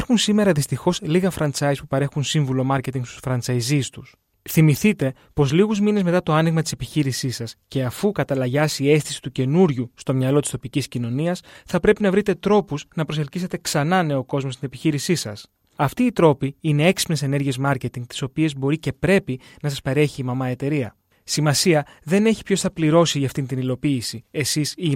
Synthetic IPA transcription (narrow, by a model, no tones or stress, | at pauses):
eɾxunsime̞ɾɐðist̪ixo̞sliɣɐfɾɐnt͡sɐjspupɐɾe̞xunsiɱvulo̞mɐɾce̞t̪̬iŋɡst̪u̥sfɾɐnt͡sɐjzist̪us | θimiθit̪e̞ | po̞zliɣuzmine̞zme̞t̪ɐt̪oɐniɣmɐt̪i̥se̞piçiɾisisɐsce̞ɐfukɐt̪ɐlɐʝɐsiie̞st̪i̥si̥t̪uce̞nuɾʝust̪o̞mɲɐlo̞t̪i̥st̪o̞piciscino̞niɐsθɐpɾe̞pinɐvɾit̪e̞t̪ɾo̞puznɐpɾo̞se̞lcise̞t̪e̞ksɐnɐne̞o̞ko̞zmost̪ine̞piçiɾisisɐs | ɐft̪iːt̪ɾo̞piine̞e̞ksi̥pne̞se̞ne̞ɾʝie̞zmɐɾce̞t̪iŋɡ̚t̪i̥so̞pie̞zbo̞ɾice̞pɾe̞pinɐs̬ɐspeɾe̞çiːmɐmɐe̞t̪e̞ɾiɐ | simɐsiɐðe̞ne̞çi̥pço̞sθɐpliɾo̞siʝɐːft̪int̪inilo̞piːsie̞sisi